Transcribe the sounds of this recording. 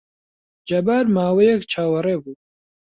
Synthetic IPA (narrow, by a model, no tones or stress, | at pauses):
d͡ʒɐbaɾmaːwejɛkt͡ʃʰaːwɐɾeːbuː